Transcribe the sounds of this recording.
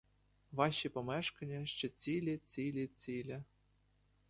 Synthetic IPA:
ʋɑʃipɔmɛʃkɐnʲːɐʃt͡ʃɛt͡sʲilʲit͡sʲilʲit͡sʲilʲɐ

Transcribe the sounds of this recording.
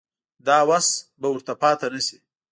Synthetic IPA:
d̪ɑːwasbawʊɾt̪apɑːt̪anəsi

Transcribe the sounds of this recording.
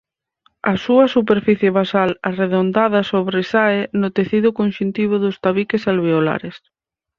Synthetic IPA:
ɐsuɐsup̬eɾfiθjeβasalareðond̪aðɐsoβɾesaenʊt̪eθiðʊkõnʃunt̪iβ̞ʊðʊst̪aβikesalβeola̰ɾes

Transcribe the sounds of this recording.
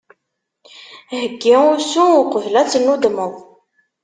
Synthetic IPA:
həɡːiusuqəvlæt͡sːənːud̪məðˤ

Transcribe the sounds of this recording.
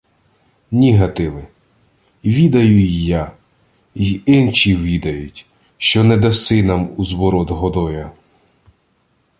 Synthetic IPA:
nʲiɦɐt̪ɪlˠɪ | ʋʲid̪ɐjʊijːa | iɪnt͡ʃiʋʲid̪ɐjʊtʲ | ʃt͡ʃɔnɛd̪ɐsɪnɐmuzʋɔɾɔd̪ɦɔd̪ɔjɐ

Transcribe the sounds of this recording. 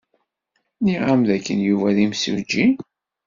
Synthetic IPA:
niʁamðækːənjuvæðimsṵd͡ʒi

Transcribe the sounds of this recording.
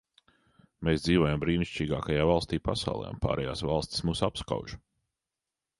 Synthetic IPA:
meːsd̪ziːvoɔjambɾiːniʃʲt͡ʃiːɡaːkajaːvalˠst̪iːpasa̰wlˠɛ̰ːa̰mpa̰ːɾʔɛjaːsvalˠst̪ʲi̥smuːsapska̰wʒ

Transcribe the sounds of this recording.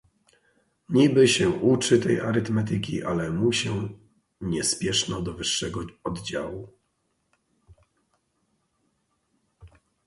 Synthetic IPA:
ɲibɘɕɛʔut͡ʂɘt̪ɛja̰ɾɘt̪mɛt̪̬ɘk̬ʲḭʔa̰lɛmuɕɛ | ɲɛspʲjɛʂnɔd̪ɔvɘʂːɛɡɔɔd̪d͡ʑawu

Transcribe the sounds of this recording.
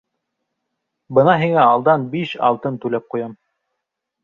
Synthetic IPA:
bɤnɑɦiŋæɑlˠd̪ɑnbiʃɑ̰lˠt̪ɤnt̪ʉlæp̚qujɑm

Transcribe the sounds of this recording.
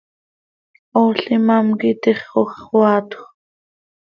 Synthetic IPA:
oːɬimɑmkit̪iχːoχwɑːt̪x

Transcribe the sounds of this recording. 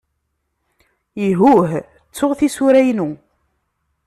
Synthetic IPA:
iɦuɦ | t͡sːʊʁθisuɾæjnu

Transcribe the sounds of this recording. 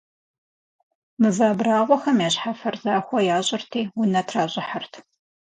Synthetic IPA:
mɨzaːbraːʁʷɔxɐmjaːɕħafɐrzaːxʷɔjaːɕʼɪrtʰiːwʊnɐtʰraːɕʼɪħħərtʰ

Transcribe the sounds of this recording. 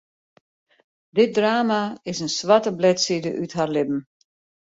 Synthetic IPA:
dɪt̚draːmaɪsənsʋatəblɛtsidəʔytɦarlɪpm̩

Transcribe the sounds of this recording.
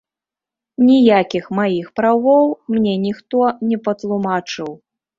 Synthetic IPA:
nʲijakʲixmajixpɾawɔwmnʲɛnʲixt̪ɔnʲɛpɐt̪lˠumat͡ʂɨw

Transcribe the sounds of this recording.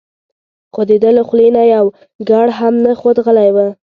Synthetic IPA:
qod̪ed̪ələxlenajaw | ɡaɽɦamnaxod̪ɣəlajwə

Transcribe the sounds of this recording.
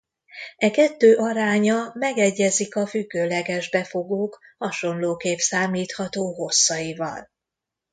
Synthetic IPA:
ɛkɛt̪ːøːʔɒɾaːɲɒmɛɡɛɟːɛzikɒfyɡːøːlɛɡɛʒbɛfo̞ɡoːkhɒʃo̞nloːkeːpsaːmiːt̪hɒt̪oːɦo̞sːɒjivɒ̰l

